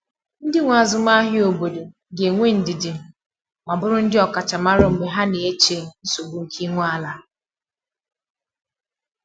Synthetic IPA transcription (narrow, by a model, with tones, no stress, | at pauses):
n̩˦dɪ˦ŋʷa˨zʊ˨m˦a˦ɦɪ˦o˨bo˨do˨ | ɡe˨ŋʷe˦n̩˨dɪ˨dɪ˨ | ma˨bʊ˦ɾʊ˦n̩˦dɪ˦ɔ˨ka˨t͡ʃa˨ma˦ɾʊ˨m̩˨ɡ͡be˨ɦa˦ne˨e˦t͡ʃe˨n̩˦so˨bu˨ŋ̩˨kʰi˦ŋʷ˦a˦la˦